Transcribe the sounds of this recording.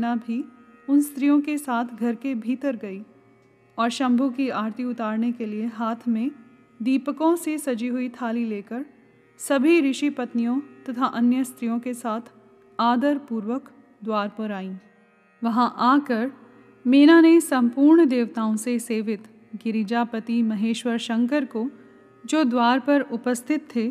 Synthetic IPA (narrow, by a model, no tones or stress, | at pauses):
nabʱi | ʊnst̪ɾijõkesaːt̪ʰɡʱɐɾkebʱiːt̪əɾɡɐiː | ɔːɾʃɐ̃mbʱukiaːɾt̪iʊt̪aːɾnekelieɦaːt̪ʰmẽ | d̪iːpkõsesɐd͡ʒiɦʊit̪ʰaːlileːkəɾ | sɐbʱiɾɪʃipɐt̪nijõt̪ɐt̪ʰaʔɐnjəst̪ɾijõkesaːt̪ʰ | aːd̪əɾpuːɾʋək | d̪waːɾpɐɾaːĩː | ʋɐɦãʔaːkəɾ | meːnanesɐ̃mpuːɾɳd̪eːʋt̪aːõseseːʋɪt̪ | ɡɪɾid͡ʒapət̪imɐɦeːʃʋəɾʃɐ̃ŋkəɾko | d͡ʒoːd̪waːɾpɐɾʊpəst̪ʰɪt̪ʰːeː